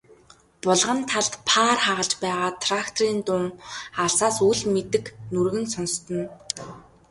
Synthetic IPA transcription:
pʊɮʁə̆nt̪ʰaɮt̪pʰaːrχaʁə̆ɮt͡ɕpæːʁaːt̪ʰrakt̪ʰɔriːnt̪ʊŋaɮsaːsuɮmet̪ɘ̆knurɣɘ̆nsɔnst̪ɞ̆n

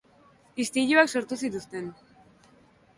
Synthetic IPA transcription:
ist̪iʎuaksoɾt̪usit̪ust̪e̞n

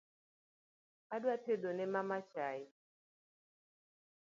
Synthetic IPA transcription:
adwateɗonɛmamat͡ʃaɪ

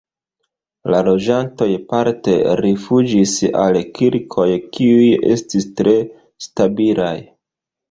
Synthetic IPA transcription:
lalo̞d͡ʒanto̞jpaɾte̞̰ɾifud͡ʒisa̰lkiɾkʰo̞jkiuje̞̰stistɾe̞ | stabila̰j

